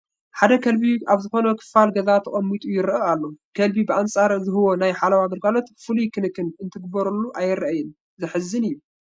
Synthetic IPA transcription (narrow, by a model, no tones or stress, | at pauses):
ħad̪ɐkʰɐlbiaβzɨxo̞nɐkʰɨ̥fːalɡɐzat̪ʰɐχʼɐmːit̪ʼujɪɾɨalːokʰɐlbibɨʔant͡sʼaɾzɨɦɨwo̞najħalawaɡɐɾɡalo̞t̪fɨlujkʰɨnɨkːɨnɨnt̪ʰɨɡɨbɐɾulːuʔajːɪɾajɪn | zɨħɨzːɨnɨjːu